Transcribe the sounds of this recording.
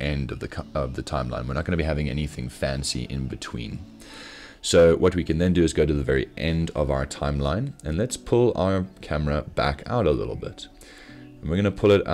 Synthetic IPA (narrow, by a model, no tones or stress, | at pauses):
ʔɛ̃ndʌvðɨʌvðɨtʰãɪ̃mlã̰ɪ̃nwɨəɹnət̚ɡ̥ʌ̃nɨbiɦævɪ̃ŋɛ̰niθɪ̃ŋfæ̃nsḭʔɪ̰̃nbɨtʰw̥ḭ̃n | soʊwʔʌt̚wikʰɨ̃nðɨ̃ndɨɨzɡoʊɾɨðɨvɛɹḭʔɛ̃ndʌ̰vaʊə˞tʰãɪ̃mlãɪ̃nɨ̃nlɨtspʰʊlˠa̰ʊə˞kʰæmə˞əb̥æ̰kʰa̰ʊɾəlɪ̰ɾl̩ˠbɪ̰t | n̩wɨɹɡʌ̃nɨpʰʊlˠɨɾ